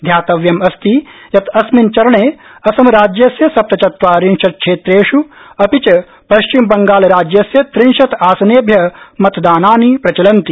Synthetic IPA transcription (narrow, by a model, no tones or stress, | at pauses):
d̪ʱjaːt̪ɐʋjɐmɐst̪ijɐt̪ɐsmint͡ʃɐɾɐɳeː | ɐsɐmɐɾaːd͡ʒjɐsjɐsɐp̚t̪ɐt͡ʃɐt̪ʋaːɾinʃɐt̪̚kʂʰeːt̪ɾeːʂuɐpit͡ʃɐ | pɐʃt͡ʃimbɐŋɡaːlɾaːd͡ʒjɐsjɐt̪ɾinʃɐt̪aːsɐneːbʱjɐmɐt̪d̪aːnaːnipɾɐt͡ʃɐlɐnt̪i